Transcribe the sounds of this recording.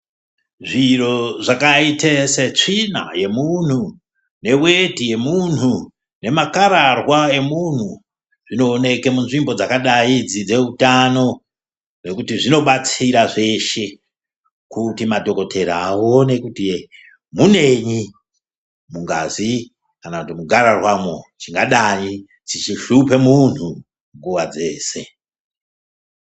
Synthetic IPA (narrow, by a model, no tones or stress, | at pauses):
ʐiro̞ʐakaiteset͡ʂina̰je̞mun̤u | ne̞we̞tije̞mun̤u | ne̞makaɾarwae̞mun̤u | ʐ̥ino̞ːne̞kemunʐimbo̞d͡zakaɗaid͡zid͡ze̞utano̞ | re̞kutiʐino̞ɓat͡siɾaʐe̞ʃe̞ | kutimato̞ko̞tʰe̞ɾaːwo̞ne̞kutie | mune̞ɲi | muŋɡazi | kanakutimuɡʱaɾarwamot͡ʃiŋɡaɗai | d͡zit͡ʃiʃupe̞mun̤u | ŋɡuʋad͡ze̞ːse̞